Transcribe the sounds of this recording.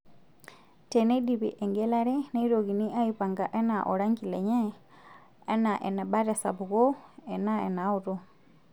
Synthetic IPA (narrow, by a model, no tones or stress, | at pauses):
tenediβḭʔeŋɡelaɾeneiɾoɣiniʔajipaŋɡaʔenaʔoɾaŋɡileɲeː | naʔḛnabaɾesa̰βuɣoenaḛnauɾo